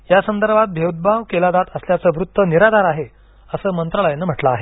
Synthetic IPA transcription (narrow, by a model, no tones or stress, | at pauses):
jasənd̪əɾbʱat̪̚bʱjewd̪̚bʱaʋkelad̪at̪əsljat͡səːʋɾut̪ːəniɾad̪ʱaɾaɦe | əsəːmənt̪ɾəɭəjenːəːm̤əʈlaːɦe